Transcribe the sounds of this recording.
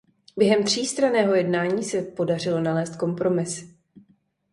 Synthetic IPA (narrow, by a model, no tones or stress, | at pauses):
bjɛɦɛmt̪r̝̥iːst̪ɾanɛːɦo̞jɛdnaːɲiːsɛpo̞dar̝ɪlo̞nalɛːst̪̚ko̞mpɾo̞mɪs